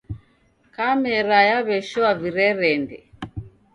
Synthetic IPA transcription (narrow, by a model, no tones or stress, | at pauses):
kamɛɾajaβɛʃɔaviɾɛɾɛndɛ